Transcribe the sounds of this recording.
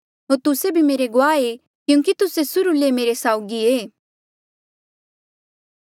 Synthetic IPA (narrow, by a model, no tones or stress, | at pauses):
ɦoːɾt̪ʊsebʱimeːɾeɡʊaːe | kjũːŋkit̪ʊsesʊɾulemeːɾesaːʊɡieː